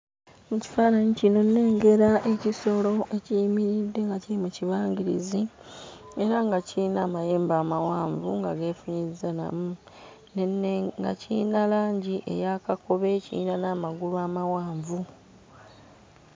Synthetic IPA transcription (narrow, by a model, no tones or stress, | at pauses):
muci̥faːnaɲicino̞nːe̞ːŋɡe̞ɾaʔe̞ciso̞lo̞e̞cijimiɾidːe̞ŋɡaciɾimuciβaːŋɡiɾḭzi | e̞ɾaŋɡaciinaːmajeːmbaːmawaːɱvuŋɡaɡe̞ːfuɲizana̰mu | nnŋɡa̰ciinalaːɲɟiʔe̞̰jakako̞βe̞cḭḭnanaːmaɡuluaːmawaːɱvu